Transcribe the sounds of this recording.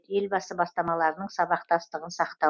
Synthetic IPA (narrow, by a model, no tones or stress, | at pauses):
e̞lbɑsəbɑst̪ɑmɑlˠɑɾənəɴsɑβɑqt̪ɑst̪əʁənsɑqt̪ɑ